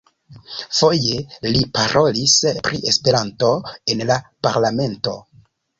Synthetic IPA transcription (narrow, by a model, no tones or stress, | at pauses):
fo̞je̞lipaɾʔo̞lispɾiʔe̞spe̞ɾanto̞e̞nlapaɾlame̞nto̞